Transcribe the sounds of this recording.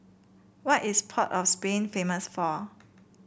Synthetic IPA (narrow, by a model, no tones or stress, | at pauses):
wɔʔispʰɔtɔfspẽnfẽməsfɔ